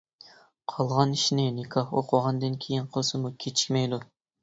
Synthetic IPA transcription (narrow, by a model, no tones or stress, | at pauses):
qʰɑlˠʁɑniʃinɪnɪkʰɑhoqʰʊʁɑnd̪ɨnkʲʰejinqʰosɨmukʲʰet͡ʃʰi̥kʲmɛjd̪u